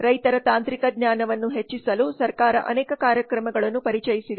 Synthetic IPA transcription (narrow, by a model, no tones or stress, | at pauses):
ɾɐjt̪ɐɾɐt̪aːnt̪ɾikɐɡɲjaːnɐʋɐnːuɦet͡ʃːisɐlusɐɾkaːɾɐ̰ʔɐ̰nɛːkɐkaːɾjɐkɾɐmɐɡɐɭɐnːupɐɾit͡ʃɐjisid̪e